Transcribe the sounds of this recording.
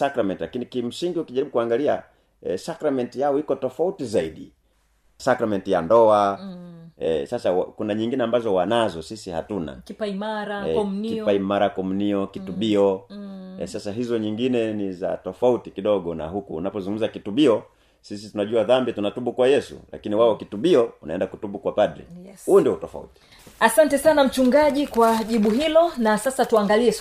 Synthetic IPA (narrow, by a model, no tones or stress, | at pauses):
sakɾamɛntilakinikim̩siŋɡiukiʄaɾiɓukuaŋɡalia | ɛsakɾamɛntijaɔikɔtɔfautizaiɗḭ | sakɾamɛntijandɔa | ɛsasawakunaɲiŋɡinɛambazɔwanazɔsisiha̰tuna̰kipaiaɾaɛkiaimaɾakɔm̩niɔkituɓiɔ | ɛ̰sasaɦizɔɲiŋɡinɛniza̰tɔfautikiɗɔɠɔna̰ɦukṵːnapɔzuŋɡum̩zakituɓiɔ | sisitunaʄuaðambiatunatuɓukwajɛsṵla̰kiniwaɔkituɓiɔunaɛndakutuɓukwapaɗɾḭhuɔndiutɔfa̰ṵti̥ | asantɛsanam̩t͡ʃuŋɡaʄikwaʄiɓuɦilɔnasasatuaŋɡaliɛ